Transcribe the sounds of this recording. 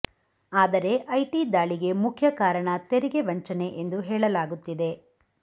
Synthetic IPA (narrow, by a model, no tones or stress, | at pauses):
aːd̪ɐɾe̞ʔɐjʈid̪aːɭiɡe̞mukʰjɐkaːɾɐɳɐt̪eɾiɡe̞ʋɐɲt͡ʃɐne̞ʔend̪uɦɛːɭɐlaːɡut̪ːid̪e̞